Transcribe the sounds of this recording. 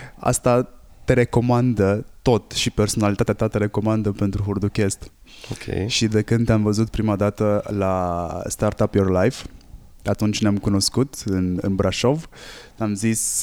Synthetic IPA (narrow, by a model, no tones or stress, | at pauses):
a̰st̪a | t̪e̞ɾe̞ko̞mand̪ət̪o̞t̪ʃipe̞rso̞nalit̪at̪at̪at̪eɾe̞ko̞mand̪əpe̞nt̪ɾuɦurd̪ukʲe̞st̪okʲʰḛjʃid̪e̞kɨnd̪ʲamvəzut̪pɾimad̪at̪əlast̪art̪apjorlajf | at̪unt͡ʃneamkuno̞skut̪ɨnɨ̰nbɾaʃo̞vnamzis